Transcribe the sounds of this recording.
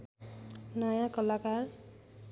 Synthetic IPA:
nʌjãkʌlakar

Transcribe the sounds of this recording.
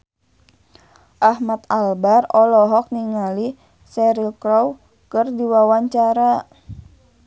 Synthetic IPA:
ʔahmat̪̚albarɔlɔɦɔk̚niŋali | sɛɾilkɾɔw | kərdiwawaɲt͡ʃaɾa

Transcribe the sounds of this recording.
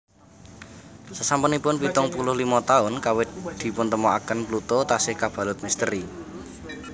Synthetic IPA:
səsampənipʊnpit̪ɔŋpulʊhlimɔt̪aʊnkawɪt̪̚d̪̥i̤pʊnt̪əmɔa̰kənplut̪ot̪asɪhkab̥ä̤lʊt̪̚mist̪əɾi

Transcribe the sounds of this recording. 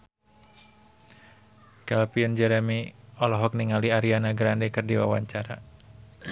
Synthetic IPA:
kɛlpiɔnd͡ʒɛɾɛmiɔlɔɦɔk̚niŋaliaɾianaɡɾandɛkərdiwa̰wa̰ɲt͡ʃaɾa

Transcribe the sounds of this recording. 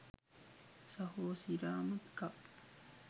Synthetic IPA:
sahosiɾaːmɯt̪ka

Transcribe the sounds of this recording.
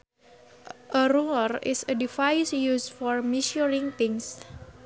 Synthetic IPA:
ʔəɾuərɪ̰sədifajsjusfɔrmiʃuɾiŋt̪ɪŋs

